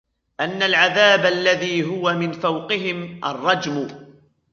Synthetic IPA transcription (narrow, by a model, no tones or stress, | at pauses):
ʔanːalʕaðaːbaalːaðiːɦʊwamɪnfawqɪɦɪmʔɑ̰rˤːɑd͡ʒm